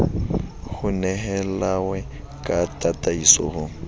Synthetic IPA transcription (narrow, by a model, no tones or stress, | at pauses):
ɣʊnɛɦɛlawɛ | kʼatʼatʼaisɔ̰hʊ